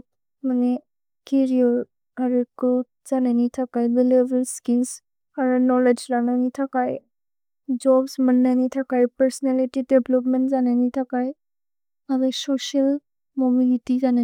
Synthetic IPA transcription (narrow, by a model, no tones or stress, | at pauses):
mane | kiɾiɔ | aɾukɾut̚ | z̥ananitʰakajbilebəlskils | aɾunɔled͡ʒɾananitʰakaj | d͡ʒɔbsmənːanitʰakajpəɾsɔnalitideblɔp̬mentzananitʰakaj | adasɔsal | mɔmilitizana